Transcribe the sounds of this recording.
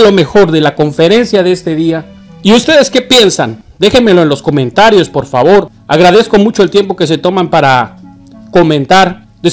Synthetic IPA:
lo̞me̞xo̞ɾðe̞lako̞ɱfe̞ɾe̞nsjaðeest̪e̞ðia | iust̪e̞ðe̞ske̞pje̞nsa̰n | d̪e̞xe̞nme̞lo̞e̞nlo̞sko̞mẽ̞nt̪aɾjo̞spo̞ɾfaβo̞ɾ | a̰ɣɾaðe̞sko̞mut͡ʃo̞e̞lt̪jempo̞ke̞se̞t̪o̞mampaɾa | ko̞mẽ̞nt̪aɾ | d̪e

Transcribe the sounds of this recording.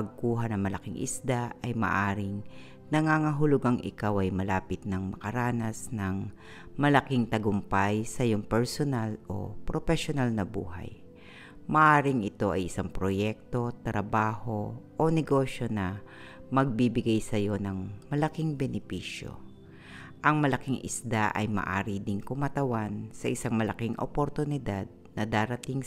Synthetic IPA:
pɐɡ̚kuːɦɐnɐŋmɐlɐkiŋʔɪ̰sd̪aʔɐjmɐ̰ʔaːɾɪŋ | nɐŋaːŋɐɦʊlʊɡaŋʔɪ̰kawʔɐjmɐlaːpɪt̪̚nɐŋmɐkɐɾaːnɐsnɐŋ | mɐlɐkɪŋt̪ɐɡʊmpajsɐjoŋpɛɹsonalo̞̰pɾopɛʃonalnɐbṵːɦɐ̰j | mɐʔaːɾɪŋɪt̪o̞ʔɐ̰jɪsaŋpɾojɛk̚t̪o̞t̪ɾɐbaːho̞ʔonɛɡo̞ʃjo̞nɐ | mɐɡ̚bibɪɡajsɐjo̞nɐŋmɐlɐkiŋbɛnɪpiːʃjo̞̰ | ʔɐŋmɐlɐkɪŋʔɪ̰sd̪aʔɐ̰jmɐ̰ʔa̰ːɾid̪ɪŋkʊmat̪ɐwansɐʔɪsaŋmɐlɐkiŋʔo̰poɾt̪ʊnɪd̪ad̪̚nɐd̪aːɾɐt̪iŋ

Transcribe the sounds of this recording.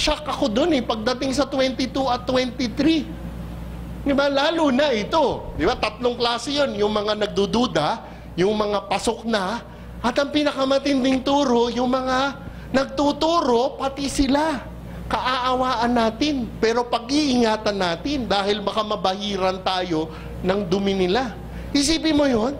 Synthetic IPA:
ʃakʔɐko̞d̪o̞nɛpɐɡ̚d̪ɐt̪ɪŋsɐt̪wɛnt̪ɪt̪uʔɐt̪ːwɛnt̪ɪt̪ɾi | d̪ɪbalaːlunɐʔɪt̪o̞d̪ɪbat̪ɐt̪loŋklaːsɛjonjʊŋmɐŋanɐɡ̚d̪ud̪uːd̪ɐ | jʊŋmɐŋapɐso̞k̚nɐ | ʔɐt̪ɐŋpinɐkamɐt̪ɪnd̪ɪŋt̪uːɾo̞jʊŋmɐŋa | nɐɡ̚t̪ut̪uːɾo̞pɐt̪ɪsɪla | kɐʔaʔɐwaːʔɐnːaːt̪ɪnpɛːɾo̞pɐɡ̚ʔiʔɪŋaːt̪ɐnːaːt̪ɪnd̪aːhɪlbɐkamɐbɐhiːɾɐnt̪aːjo̞ | nɐŋd̪ʊmɪnɪla | hɪs̬iːpɪmojo̞n

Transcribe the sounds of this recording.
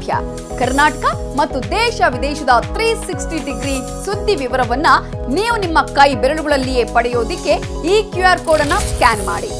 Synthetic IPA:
bʱjɐ̰ | kɐɾnaːʈɐkɐ | mɐt̪ːud̪ɛːʃɐʋid̪ɛːʃɐd̪ɐt̪ɾiːsiksʈiɖiɡɾiː | sud̪ːiʋiʋɐɾɐʋɐnːɐ | niːʋunimːɐkɐjbɛɾɐɭuɡɐɭɐlːije̞pɐɽɛjoːd̪ikːe̞ | iːkjuaːɾkoːɽɐnɐskaːnma̰ːɽi

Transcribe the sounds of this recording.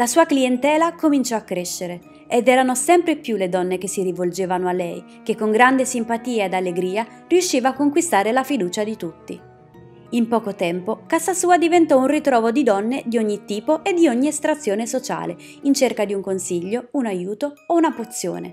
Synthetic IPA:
lasuːakliɛnt̪ɛːlakomint͡ʃɔakːɾeʃːeɾe | ed̪ɛːɾanosɛmpɾepjuled̪ɔnːekesːiɾivold͡ʒeːvanoalːɛj | kekːoŋɡɾand̪esimpat̪iːaed̪alːeɡɾiːa | riuʃːiːvaːkːoŋkwist̪aːɾelafid̪uːt͡ʃad̪it̪ut̪ːḭ | impɔːkot̪ɛmpokasasuːad̪ivent̪ɔunrit̪ɾɔːvod̪id̪ɔnːed̪ioɲːit̪iːpoʔed̪ːioɲːiest̪ɾat̪sːjoːnesot͡ʃa̰ːle | int͡ʃerkad̪iuŋkonsiʎːounajuːt̪oounapot̪sːjo̰ːnḛ

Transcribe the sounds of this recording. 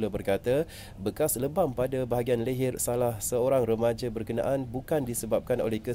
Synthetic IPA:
ləbərkat̪a | bəkasləbampadabaɦaɡianləɦɪrsalahsəoɾaŋrəmad͡ʒabərkəna̰ʔanbukandisəbap̚kano̰lɛhkə

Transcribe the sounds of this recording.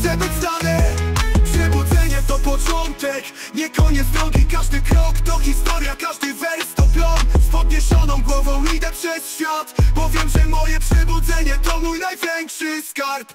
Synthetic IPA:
sɛbɘd͡ʑ̪d̪anɛpʂɛbud̪zɛɲɛt̪ɔpɔt͡ʂɔnt̪ɛk | ɲɛkɔɲɛd̪zd̪ɾɔŋɡʲikaʐd̪ɘkɾɔkt̪ɔxʲist̪ɔɾjakaʐd̪ɘvɛɾst̪ɔklɔnspɔd̪ɲɛɕɔnɔ̃w̃ɡwɔvɔ̃w̃lʲid̪ɛpʂɛsɕfʲjat̪bɔvʲjɛmʐɛmɔjɛpʂɛbud̪zɛɲɛt̪ɔmujnajvʲjɛŋkʂɘskaɾp

